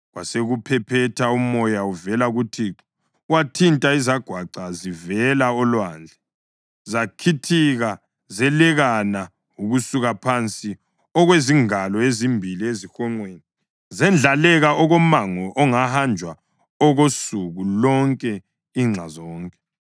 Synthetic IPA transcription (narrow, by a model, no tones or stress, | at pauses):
ɣwaseɣupʰɛpʰɛtʰaumɔjauvɛlaɣutʰiǁɔ | watʰintʼaizaɡ̥ʱwaǃazivɛlaɔlwand͡ɮʱɛ | zakʰitʰiɣa | zɛlɛɣana | uɣusuɣapʰant͡sʼi | ɔɣweziŋalɔezimbʱiliezixɔŋ͡ǃweni | zɛnd͡ɮʱalɛɣaʔɔɣɔmaŋɔʔɔŋahand͡ʒʱwa | ɔɣosuɣulɔŋkʼɛ | iŋ͡ǁʱazɔːŋkʼɛ